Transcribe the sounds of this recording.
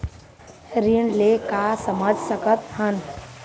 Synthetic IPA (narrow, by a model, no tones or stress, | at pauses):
ɾiəɳlekasəməd͡ʒʱsəkət̪hən